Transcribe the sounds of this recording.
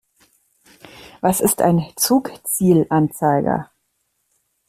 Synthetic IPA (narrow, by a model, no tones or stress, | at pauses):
vasɪstʰa̰ɪnt͡suːkt͡siːlʔant͡saɪɡɐ̰